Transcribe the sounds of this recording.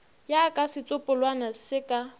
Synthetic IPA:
jakʼasɪt͡sʼʊpʼʊlwanasɪkʼa

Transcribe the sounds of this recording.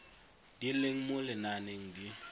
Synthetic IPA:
d̥ileŋ̩mʊlɪnaneŋ̩di

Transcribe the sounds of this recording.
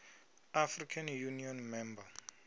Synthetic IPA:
afrikʰanjuniɔnmɛmba

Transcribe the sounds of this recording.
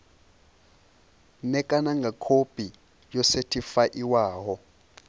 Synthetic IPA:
nɛkʼanaŋɡʱakʰopʼi | jɔsetʰifaʔiwaːɦɔ

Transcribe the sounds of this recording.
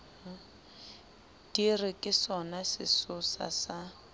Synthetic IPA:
d̥irɪkʼɪsɔnasɪ̰sʊsa̰sa

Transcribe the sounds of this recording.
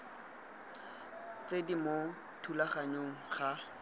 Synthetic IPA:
t͡sedimo | tʰulaχaɲoŋ̩χa

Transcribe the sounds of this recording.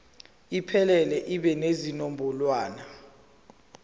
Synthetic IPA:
ipʰɛlɛlɛʔiɓɛnezinombʱɔlwaːna

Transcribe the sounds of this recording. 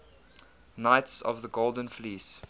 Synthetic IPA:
naɪtsɔ̰vðəɡolˠdə̃nfliːs

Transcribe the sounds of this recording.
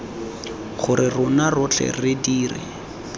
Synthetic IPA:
χʊɾɪrʊnarʊt͡ɬʰɛ̰rɪdiːrɪ̰

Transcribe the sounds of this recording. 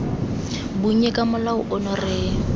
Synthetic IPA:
bʊɛkʼamʊlaʊʔɔnɔrɪː

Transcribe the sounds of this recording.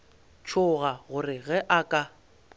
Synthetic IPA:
t͡ʃʰʊɣaɣʊrɪɣɛʔakʼa

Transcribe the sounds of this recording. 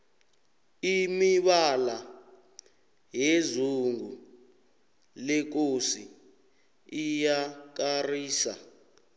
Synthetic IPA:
imiɓala | jɛzuŋɡu | lɛk̬osi | ijak̬ariːsa

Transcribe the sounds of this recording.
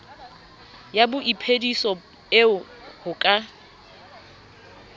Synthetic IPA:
jabʊʔipʰedisɔ | ɪ | hʊkʼa

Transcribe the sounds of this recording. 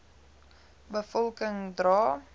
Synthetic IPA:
bəfɔlˠkəŋdrɑː

